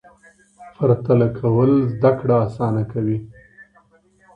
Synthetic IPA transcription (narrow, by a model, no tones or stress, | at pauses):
faɾt̪alakʰawəlzd̪akɽaːsɑnakawi